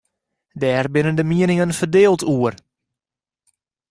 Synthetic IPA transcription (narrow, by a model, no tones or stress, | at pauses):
dɛːrbɪnəndəmiənɪŋənfərdeːlˠtʰuər